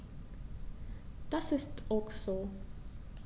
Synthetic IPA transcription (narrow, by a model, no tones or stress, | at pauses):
d̪̥asɪstɔkso